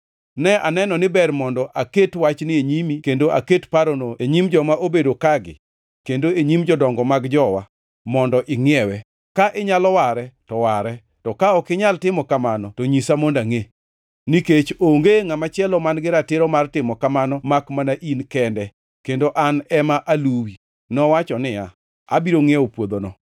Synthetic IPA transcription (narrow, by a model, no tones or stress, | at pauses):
nɛʔanɛnɔnɪbɛrmɔndɔʔaketwat͡ʃnɪeɲimikendoʔa̰ketpaɾonoeɲimd͡ʒɔmaʔobedokaɡɪ̰ | kendoeɲimd͡ʒɔdɔŋɡɔmaɡd͡ʒɔwa̰ | mɔndɔʔɪŋɪɛwɛ | kaʔɪɲalɔwaɾɛtɔwaɾɛ | tɔkaɔkɪɲaltɪmɔkamanɔtoɲisamondaŋe | niket͡ʃoŋɡeŋamat͡ʃɪɛlɔmanɡɪɾatɪɾɔmartɪmɔkamanɔmakmanaʔinkɛndɛ | kendoʔanɛmaʔaluwi | nɔwat͡ʃɔnɪja | a̰biɾoŋɛopwod̪onɔ